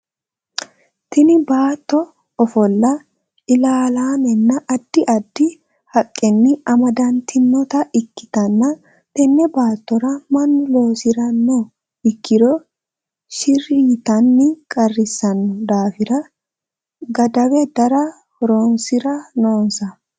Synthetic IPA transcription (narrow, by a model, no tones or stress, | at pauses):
t̪ɪnɪbaːt̪ːɔ | ɔfɔlːɐ | ɪlaːlaːnɛnːɐʔɐd̪ːɪʔɐd̪ːɪ | hɐkʼːɛnːɪɐmɐd̪ɐnt̪ʰɪnːɔt̪ɐʔɪkːɪ̥t̪ɐnːɐ | t̪ɛnːɛbaːt̪ːɔɾɐmɐnloːsɪɾɐnːɔ | ɪkːɪd̪ɔ | ʃɪɾiːt̪ɐnːɪkʼɐrːɪsːɐnːɔd̪aːfɪɾɐ | ɡɐd̪ɐwɛd̪ɐɾɐ | ɾo̞ːnsɪɾɐnoːnsɐ